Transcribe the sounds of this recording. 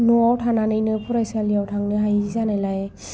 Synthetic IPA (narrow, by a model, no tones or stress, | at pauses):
nɔawtʰananɯjnɯpʰuɾajsaliawtʰaŋnɯɦajzizanajlaj